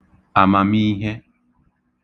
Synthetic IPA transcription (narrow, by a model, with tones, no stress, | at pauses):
a˨mã˨mi˦ɦe˦